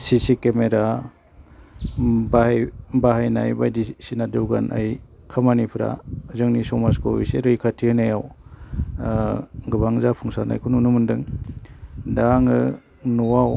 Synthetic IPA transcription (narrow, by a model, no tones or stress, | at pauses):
sisikemeɾa | bajbaɦajna̰jbajdisinadɯwɡanʔa̰j | kʰamanipʰɯɾa̰zɯŋnisɔmaskowḭseɾɯjkʰatʰihɯnajaw | ɡɯbaŋzapʰuŋsana̰jkʰununumɯndɯŋ | daŋɯ | nɔwaw